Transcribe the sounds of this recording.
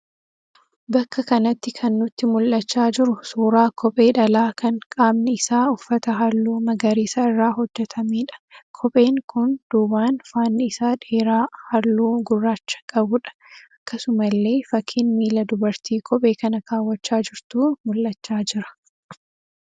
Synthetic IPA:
bɐkːɐkɐnɐt̪ːɪkʰɐnːʊt̪ːɪmʊlʔɐt͡ʃːaːd͡ʒɪɾʊsuːɾaːkʰɔpʼe̞ːᶑɐlaːkɐŋkʼaːbnɪɪsaːʊfːɐt̪ɐɦɐlːuːmɐɡɐɾiːsaɪrːaːɦɔd͡ʒːɛt̪ʰɐmiːᶑɐ̥kʰɔpʼe̞ːŋkʊnd̪̥uːbaːnfaːnːɪɪsaːᶑeːɾaːhɐlːuːɡʊrːaːt͡ʃːɐ̥kʼɐbʊᶑɐ̥ʔɐkːɐsʊmɐlːe̞ːfɐkʰːɪnmiːlɐd̪ʊbɐɾt̪ʰiːkʰʼɔpʼe̞ːkɐnɐkʰaːwːɐt͡ʃːaːd͡ʒɪɾt̪uːmʊlʔɐt͡ʃːaːd͡ʒɪɾɐ̥

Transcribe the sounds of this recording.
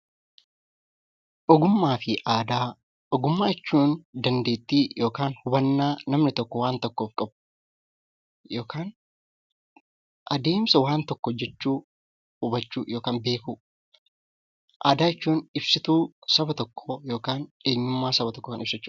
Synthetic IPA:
ʔɔɡʊmːaːfɪʔaːd̪aː | ʔɔɡʊmːaːɪt͡ʃːuːnd̪ɐnd̪eːt̪ːiːjo̞ːkaːnhʊbɐnːaːnɐmnɪt̪ɔkːɔwaːnt̪ɔkːoːfkʼɐb̚ʊ | jo̞ːkaːn | ʔɐd̪e̞ːmsɐwaːnt̪ɔkːɔd͡ʒɛt͡ʃːuː | hʊbɐt͡ʃːuːjo̞ːkaːnbe̞ːku | ʔaːd̪aːɪt͡ʃːuːnɪbsɪt̪uːsɐbɐt̪ɔkʰːɔjo̞ːkaːne̞ːɲːʊmːaːsɐbɐt̪ɔkːɔkɐnɪbsɐt͡ʃːuː

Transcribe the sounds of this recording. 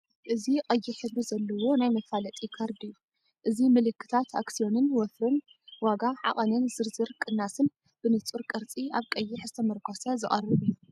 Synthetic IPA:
ʔɨziqʼɐjːɪħɨβɨzɐlːɐwo̞najmɐfalɐt̪ʼikʰaɾd̪ijːu | ʔɨzimɨlɨkʰːɨ̥t̪ʰat̪ʰa̰ksijo̞nɨnwɔfɾɨn | waɡaʕa̰χʼɐnɨnzɨɾzɨɾkʼɨnːasɨn | b̥ɨnɨt͡sʼuɾkʼɐɾt͡sʼiaβkʼɐjːɪħzɨ̥t̪ʰɐmɐɾkʰosɐzɨχʼɐ̰rːɨβɨjːu

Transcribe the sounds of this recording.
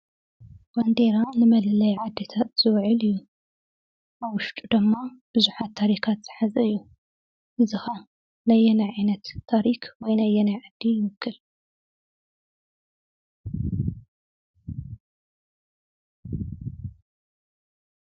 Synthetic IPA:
w̥and̪eɾanɨmɐlɨlɐjʕad̪ːet̪ʰat̪z̥ɨwʕɨlɨjːu | ʔaβwʊʃt̪ʼud̪ɨmːab̥ɨzuħat̪ʰːaɾikʰat̪z̥ɨħazɐɨjːu | ʔɨzɨxɐ | najːɛnajʕajnɐt̪ʰːaɾikwɔjnajɛnajʕad̪ːijɪmɨkʰːɨl

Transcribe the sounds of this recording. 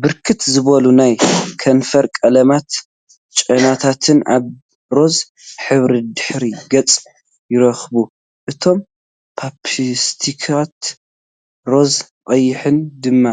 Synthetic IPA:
bɨɾkʰɨt̪zɨβɐlunajkʰɐnfɐɾkʼɐlɐmat̪ | t͡ʃʼɐnat̪ʰat̪ʰɨnʔa̰β | ɾo̞z | ħɨβɾid̪ɨħɾiɡɐt͡sʼ | jɪɾɐxbu | ʔɨt̪ʰo̞m | pʰapʰist̪ʰikʰat̪ | ɾo̞z | qʼɐjːɪħɨnd̪ɨmːa

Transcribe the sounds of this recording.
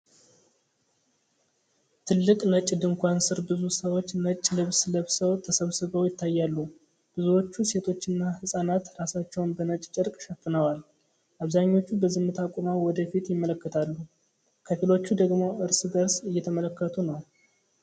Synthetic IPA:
t̪ʰɨlːɨkʼnət͡ʃʼd̪ɨŋkʷansɨɾbɨzusəwo̞t͡ʃːnət͡ʃʼːlɨβslɨβsəwt̪ʰəsəβsɨβəwjɪt̪ʰːajːalːu | b̥ɨzuwo̞t͡ʃːuse̞t̪ʰo̞t͡ʃːɪnːahɨsʼanat̪ɾasat͡ʃːɛwnbənət͡ʃʼt͡ʃʼɨɾkʼʃəfːɨnəwal | ʔaβzaɲːo̞t͡ʃːubəzɨmːɨt̪ʰakʼunawɔd̪əfit̪jɪmːələkːət̪ʰalːu | kʰəfilo̞t͡ʃːud̪əɡmo̞ʔɨɾsɨd̪əɾsɨjːɛt̪ʰəmələkːət̪ʰunəw

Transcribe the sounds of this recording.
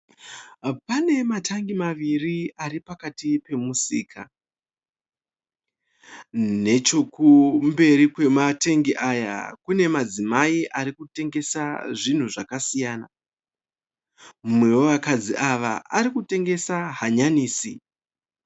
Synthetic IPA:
pane̞matʰaŋɡimaʋiriaɾipakatipe̞musiːkʰa̰ | ne̞t͡ʃo̞kumbe̞ɾikwe̞mate̞ŋɡiʔaja̰kune̞mad͡zimaiʔaɾikute̞ŋɡe̞saʐin̤uʐakasijaːna | mumwe̞wo̞ʋakad͡ziʔaʋa̰ʔaɾikute̞ŋɡe̞saɦaɲaniːsi

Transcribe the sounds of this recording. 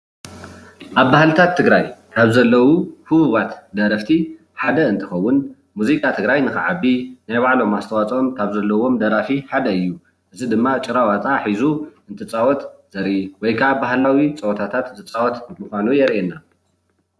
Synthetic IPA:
ʔaβːahlɨt̪ʰat̪ʰːɨɡɾajkʰaβzɐlːɐwuhɨβuβat̪d̪ɐɾɐft̪ʰi | ħad̪ɐɨnt̪ʰɨxɐwːʊn | muzikʼat̪ʰɨɡɾajnɨxɨʕabinajβaʕlo̞mast̪ʰɐwat͡sʼomkʰaβzɐlːɐwo̞md̪ɐɾafiħad̪ɐɨjːu | ʔɨzid̪ɨmːat͡ʃʼɨɾawat͡s̪ʼaħizuɨnt̪ʰɨt͡sʼawɔt̪z̥ɐɾʔiwɔjkʰaβbahlawit͡sʼɐwot̪ʰat̪ʰat̪zɨt͡sʼawɔt̪mɨxʷanujɛɾʔena

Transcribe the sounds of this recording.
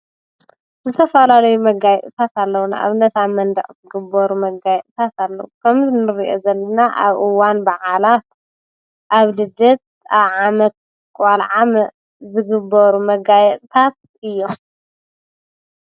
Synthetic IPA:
zɨt̪ʰɐfɐlalɐjumɐɡajɛʔ̪ʼɨt̪ʰat̪alːɐwuna̰ʔa̰βnɐsamɐnd̪ɐ̰ʔʼtɨɡɨbːɐɾumɐɡajɛʔ̪ʼt̪ʰat̪alːɐ̰wukʰɐmzɨnɨɾiʔozɐlːɐnaʔa̰βʔɨwanbaʕalat̪ | ʔaβlɨd̪ɐt̪̚ | aβʕamɐt̪̚ | kʼalʕamɐ | zɨɡɨbɐɾumɐɡajɛt̪ʼt̪ʰat̪̚ | ɨjːo̞

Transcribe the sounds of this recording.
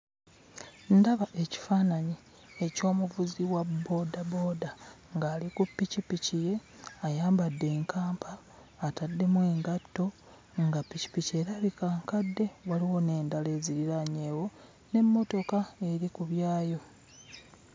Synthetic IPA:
ndaβaʔe̞ci̥faːnaɲi | e̞co̞ːmuvuziwabːo̞dabo̞da | ŋɡaːlikupːicipicije̞ajaːmbadːe̞ːŋkaːmpʰaː | tadːe̞mwe̞ːŋɡatːo̞ | ŋɡapːici̥pice̞ːɾaβikaːŋkadːe̞waliwo̞ne̞ːndale̞ziɾiɾaɲe̞ːwo̞ | ne̞mːo̞to̞kae̞ɾikuβjaːjo̞

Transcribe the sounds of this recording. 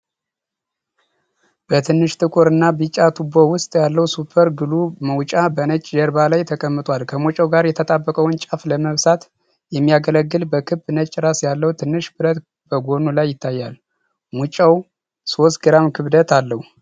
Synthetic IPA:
b̥ət̪ʰɨnːɨʃt̪ʰɨkʰoɾɨnːabɨt͡ʃʼːat̪ʰubowʊst̪ʼjalːəwsupʰəɾɡɨluməwt͡ʃʼabənət͡ʃʼd͡ʒəɾbalajt̪ʰəkʼəmːɨt̪ʼwalkʰəmut͡ʃʼəwɡaɾjɛt̪ʰət̪ʼabːəkʼəwnt͡ʃʼafləməβsat̪ | jɛmːijaɡələɡːɨlbəkʰɨbːɨnət͡ʃʼːɾasjalːəwut̪ʰɨnːɨʃbɨɾət̪ | bəɡo̞nulajːɪt̪ʰːajːal | mut͡ʃʼəw | so̞st̪ɡɨɾamkʰɨβd̪ət̪ʰalːəhu

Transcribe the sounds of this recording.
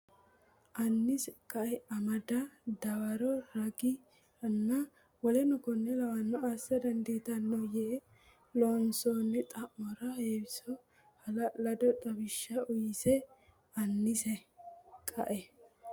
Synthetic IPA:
ʔɐnːɪskʼɐʔɛɐmɐd̪ɐd̪ɐwɐɾɔɾɐɡɪ | ɐnːɐ | wɔlɛnʊkɔnːɛlɐwɐnːɔasːɐd̪ɐnd̪iːt̪ɐnːɔjɛʔɛ | lɔnsoːnːɪt̪ʼɐʔːɔɾɐheːbɪsɔ | hɐlɐlɐd̪ɔt̪ʼɐbɪʃːɐʊjɪsɛ | ɐnːɪsɛkʼɐ̰ʔɛ

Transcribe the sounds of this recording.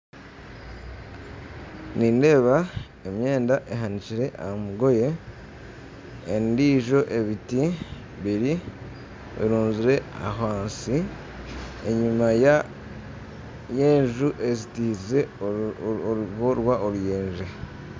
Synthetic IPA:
ninde̞ːβa | emje̞ːndaʔeɦaniciɾe̞ʔaamuɡo̞je̞ | ndiːʒo̞ʔe̞βiti | βiɾi | βḭɾuːnziɾe̞a̰ɦaːnsi | e̞ɲumaja | je̞ːɲʒuʔe̞zitiːze̞ | ɡoɾwaʔoɾujeːɲʒe

